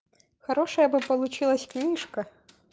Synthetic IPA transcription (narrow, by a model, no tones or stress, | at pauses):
xɐɾɔʂɐjɐbɨpɐlˠut͡ɕilˠɐsʲknʲiʂkɐ